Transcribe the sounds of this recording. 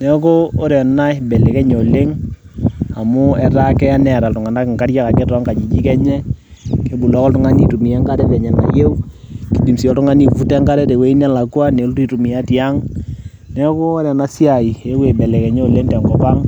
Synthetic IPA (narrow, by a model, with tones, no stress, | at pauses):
nɛ˦ko˦o˦ɾɛ˨na˦jbɛ˨le˨kɛ˦ɲo˨le˦ŋ | a˨mʊ˦ɛ˨ta˦kɛ˦a˦nɛ˨ɾa˨ltʊ˨ŋa˨na˦kŋka˦ɾja˦ka˨ke˦tɔ˨˦ŋka˨d͡ʒi˨d͡ʒi˦kɛ˦ɲɛ˦ | ke˨˦bu˨lɔ˦kɔ˦ltʊ˦ŋa˦ni˦tu˨mi˨jɛ˦ŋka˦ɾɛ˦tɛ˨ɲɛ˨na̰˨je˦u˦ki˨˦di˨msi˨jɔ˨tʊ˦ŋa˦ni˦ku˨fu˦tɛ˦ŋka˦ɾɛ˦te˨we˦i˦nɛ˦la˨kwa˦ne˨˦lti˦tu˨mi˨a˦ti˨a˦ŋ | nɛ˦ko˦o˦ɾɛ˨na˦sja˨i˨e˦kwe˨bɛ˨le˨kɛ˨ɲo˦˨le˦ŋtɛ˨ŋɡɔ˦pa˦ŋ